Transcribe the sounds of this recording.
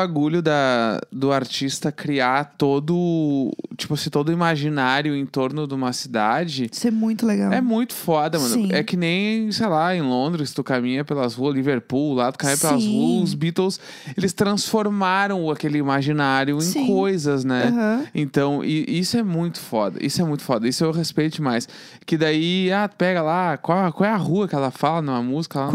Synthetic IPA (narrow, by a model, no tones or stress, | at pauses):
baɡuʎʊd̪ɐd̪ʊaɾt͡ʃist̪ɐkɾiat̪od̪ʊ | t͡ʃi̥pʊasĩt̪od̪ʊimaʒinaɾjʊẽt̪oɾnʊd̪ɪũmɐsid̪ad͡ʒɪisɛmũj̃t̪ʊleɡawɛmũj̃t̪ʊ̥fɔd̪ɐmɐ̃ɛkɪnẽj̃sejlaẽj̃lõnd̪ɾɪst̪ʊkamĩɲɐpelɐzʁuɐliveɾpullat̪ʊ̥kamĩɲɐpelɐzuɐʊzbit̪ews | elɪst̪ɾɐ̃sfoɾmaɾɐ̃w̃ʊakelɪimaʒinaɾjʊẽj̃skojzɐznɛɦɐ̃ẽnt̪ɐ̃w̃ʔiʔisʊɛmũj̃t̪ʊ̥fɔd̪ɐ̰ʔḭsʊɛmũj̃t̪ʊ̥fɔd̪ɐisʊewɦespejt͡ʃ̪ʊmajs | kɪd̪aiat̪pɛɡɐlakawkwawɛɐɦuɐkɪɛlɐfalɐnɐ̃ɐmuzikɐla